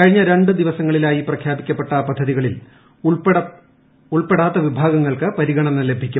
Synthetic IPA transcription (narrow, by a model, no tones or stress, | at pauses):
kɐɻiɲːɐɾe̞ɳɖɨd̪iʋɐsɐŋːɐɭilaːjiprɐkʰjaːbikʲːɐpːe̞ʈːɐpɐd̪ʱːɐðiɣɐɭil | uɭpeɽaːt̪ːɐʋibʱaːɡɐŋːɐɭkɨpɐɾiɣɐɳɐnːɐle̞bʱikʲːu